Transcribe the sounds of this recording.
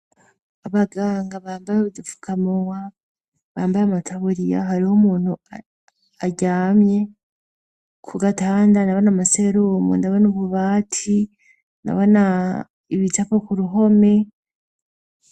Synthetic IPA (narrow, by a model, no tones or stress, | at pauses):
aβaɡaːŋɡaβaːmbaɾaβudufu̥kamowa | βaːmbaɾamatʰaβuɾija̰ɦaɾihomuːn̥ua | aɟaːmje̞ | kʰuɡataːndanaβanamaseɾoːmṵndaβanuβuβaːtʰi | na̰βana | iβitapakuɾuɦo̞me̞